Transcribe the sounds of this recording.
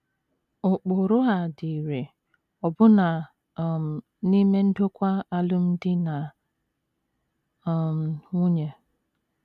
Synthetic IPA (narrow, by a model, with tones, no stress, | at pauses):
ʊ˨k͡po˨ɾʊ˦a˨di˨ɾe˨ | ɔ˨bʊ˦na˨ | m˨ | ni˦me˦n̩˦do˦kʷa˦a˦lʊ˦m̩˦dɪ˦na˨ | m̩˨ŋʷʊ˦ɲe˨